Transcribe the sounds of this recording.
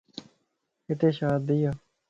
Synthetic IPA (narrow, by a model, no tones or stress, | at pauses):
ɪt̪eːʃaːd̪ːijaː